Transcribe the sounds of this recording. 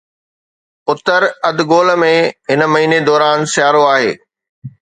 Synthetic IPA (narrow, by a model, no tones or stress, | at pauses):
ʊt̪əɾɐd̪ɡoːlmẽɦɪnəmɐɦiːned̪ɔːɾaːnsjaːɾoaːɦeː